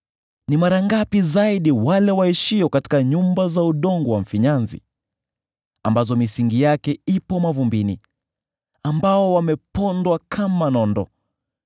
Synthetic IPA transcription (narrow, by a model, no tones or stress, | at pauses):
nimaɾaŋɡapizaiɗiwalɛwaiʃiɔkati̥kaɲumbazauɗɔŋɡɔwaɱ̩fiɲanzḭ | a̰mbazɔmisiŋɡijakɛipɔmavumbini | ambaɔwamɛpɔndwakʰamanɔndɔ